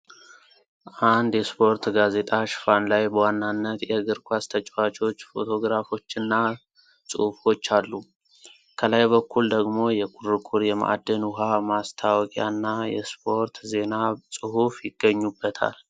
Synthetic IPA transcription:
ʔand̪jɛspʰo̞ɾt̪ɡaze̞t̪ʼaʃfanlajbəwanːanːət̪jɛɡɨɾkʰʷast̪ʰət͡ʃʼwat͡ʃʰʼo̞t͡ʃːfo̞̰t̪ʰo̞ɡɾafo̞t͡ʃːɨnːa | sʼɨ̰hfo̞t͡ʃːalːu | kʰəlajβəkʰːuld̪əɡmo̞jɛkʼuɾɨkʼuɾjɛma̰ʔa̰d̪ːənuɦamast̪ʰawkʼa̰nːajɛ̰spʰo̞ɾt̪ze̞nasʼɨɦufjɪɡ̥əɲːubːət̪ʰa̰l

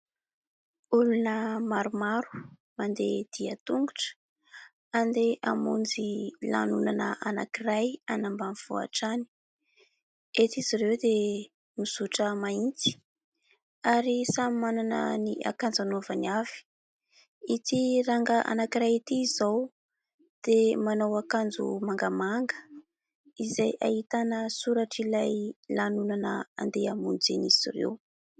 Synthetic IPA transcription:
ulunəmaɾumaɾu̥ | mand̪ed̪̥iət̪uŋɡuʈ͡ʂə̥ | and̪eʔa̰mund͡zila̰nunanəʔanakirajanambaniv̥ṵa̰ʈ͡ʂani̥ | et̪iziɾewd̪e | miz̥uʈ͡ʂəmaint̪i̥ | aɾisamimananə̰niʔa̰kand͡zanovaniav̥i̥ | it̪iraŋɡəʔa̰nakiɾait̪iːzaw | d̪̥emanowakand͡zṵmaŋɡəmaŋɡə̥ | izajʔa̰hit̪anəsuɾaʈ͡ʂilajlanunanə̰a̰nd̪eamund͡zeniz̥irḛw

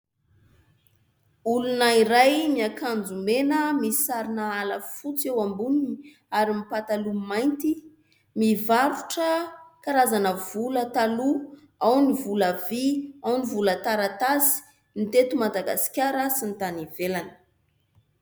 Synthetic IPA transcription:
ulunaiɾajmiakand͡zumenəmisaɾinəaləfut͡sewambunini | aɾimipat̪alumajnt̪i | mivavuʈ͡ʂəkaɾazanəvulət̪alu | awnivuləviawnivulət̪aɾat̪asi̥ | nit̪et̪umad̪aɡa̰si̥kʲaɾəsint̪anivelani̥

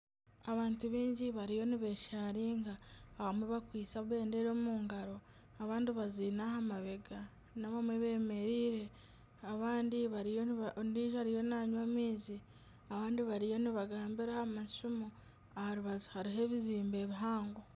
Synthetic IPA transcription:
aβaːntuβiːɲɟiβaɾijo̞niβe̞ːʃaːɾiːŋɡaβamweβakwiːt͡saβwe̞ːnde̞ɾo̞ːmuːŋɡaɾo̞ | aβaːndiβaziːnahamaβe̞ɡa | naβamwe̞βe̞ːme̞ɾiːɾe̞ | aβaːndiβaniːʒohaɾijo̞naɲwamiːzi | aβaːndiβaɾijo̞niβaɡaːmbiɾahamaʃumu | ahaɾuβazuhaɾiɦe̞ːβiziːmbe̞ːβiɦaːŋɡo

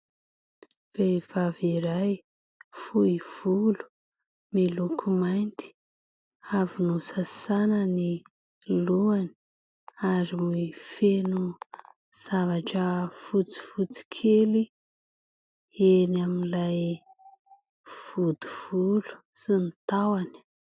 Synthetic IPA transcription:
v̥ev̥aviɾaj | fuiv̥ulu̥ | milukʰumajnt̪i̥ | avinusasanəni | luani̥ | aɾimuifenu | z̥avaʈ͡ʂəfut͡si̥fut͡si̥kʰeli | enaminlaj | v̥ud̪uv̥ulu̥ | sinit̪awani̥

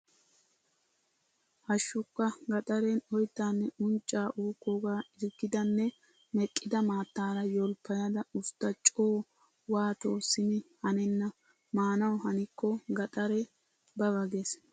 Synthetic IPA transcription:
hɐʃːʊkːɐɡɐt̪ʼɐɾɛnɔjt̪ːaːnːɛʔʊnt͡ʃʼːaːʔuːkːɔɡaːɪɾɡɪd̪ɐnːɛ | mɛkʼːɪd̪ɐmaːt̪ːaːɾɐjɔlpːɐjɐd̪ɐʊst̪ːɐt͡ʃʼoː | waːt̪o̞ːsɪmɪhɐnɛnːɐ | maːnɐwhɐnɪkːɔɡɐt̪ʼɐɾɛ | bɐbɐɡes

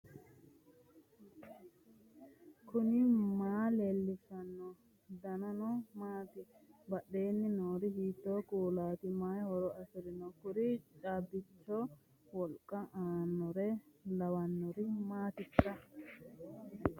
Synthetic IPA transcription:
kʰʊnɪmaːleːlːɪfɐnːɔ | d̪ɐnɐnɔmaːt̪ɪbɐɗe̞ːnːɪnoːɾɪhiːt̪ːoːkuːlaːt̪ɪmaːjhɔɾɔɐsɪɾɪnɔkʊɾit͡ʃʼaːbɪt͡ʃːɔ | wɔlkʼːɐʔaːnːɔɾɛlɐwɐnːɔɾɪmaːt̪ɪtʼːɐ

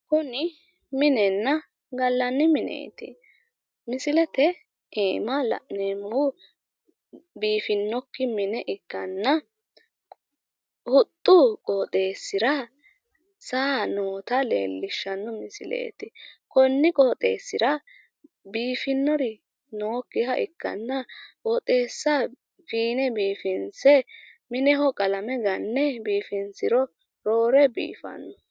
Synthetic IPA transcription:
kʊnɪ | mɪnɛnːɐ | ɡɐlːɐnːɪmɪnḛːt̪ɪ | mɪsɪlɛt̪ɛ | eːmɐlɐ̰ʔneːmhʊ | biːfɪnːɔkːɪmɪnɛʔɪkːɐnːɐ | hʊt̪ʼːukʼoːt̪ʼe̞ːsːɪɾɐ | saːnoːt̪ɐlḛːlːɪʃːɐnːɔmɪsɪlḛːt̪ɪkɔnːɪkʼoːt̪ʼeːsːɪɾɐ | biːfɪnːɔɾɪ | noːkːɪhɐʔɪkːɐ̰nːɐwɔt̪ʼe̞ːsːɐ | fiːnɛbiːfɪnsɛmɪnɛɦɔkʼɐlɐmɛɡɐnːɛbiːfɪnsɪɾɔ | ɾo̞ːɾɛbḭːfɐ̰nːɔ

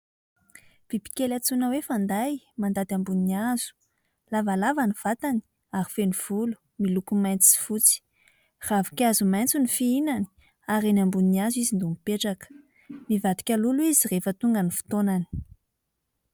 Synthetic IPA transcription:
v̥ipi̥kʲelat͡sunəwefand̪aj | mand̪at̪ambuniiaz̥u̥ | lavalavaniv̥at̪ani̥ | aɾifeniv̥ulu̥ | milukumajnt͡si̥fut͡si̥ | ravikʲazumajnt͡sunifiinani̥ | aɾenambuniniazuizind̪umipeʈ͡ʂakə̥ | mivad̪i̥kʲaluluizirefət̪uŋɡənifu̥t̪onani̥

